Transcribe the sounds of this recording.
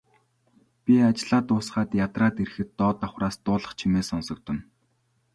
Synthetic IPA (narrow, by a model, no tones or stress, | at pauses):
pʲiat͡ɕ̆ɮaːt̪ʊːsχaːt̪jat̪raːt̪eɾ̆xɘ̆t̪ːɔːt̪aχraːst̪ʊːɮə̆χt͡ɕʰimeːsɔnsɞ̆k̚t̪ʰɵ̆n